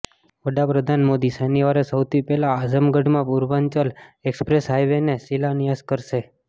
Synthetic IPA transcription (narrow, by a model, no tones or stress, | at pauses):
ʋəɖapɾəd̪ʱanmod̪iseniʋaɾesəwt̪ʰipɛlaːzəmɡəɖmãpuɾʋaɲt͡ʃəlekspɾesɦajʋenesilanijaskəɾʃe